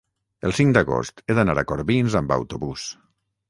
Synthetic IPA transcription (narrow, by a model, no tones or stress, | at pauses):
əlˠsiŋd̪əɣo̰st̪eðənaɾəkoɾβinzambə̰wt̪uβus